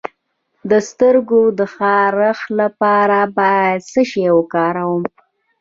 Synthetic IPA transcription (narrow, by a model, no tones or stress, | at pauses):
d̪əst̪əɾɡod̪əxɑɾəxlapɑɾabɑjad̪səʃewəkɑɾawəm